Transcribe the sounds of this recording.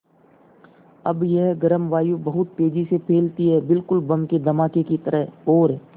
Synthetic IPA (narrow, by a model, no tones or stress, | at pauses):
ɐbjɐɦɡɐɾəmʋaːjubɐɦʊt̪̚peːd͡ʒisepʰeːlt̪iɦɛːbɪlkʊlbɐ̃mked̪ʱɐmaːkekit̪əɾəɦɔːɾɦɛ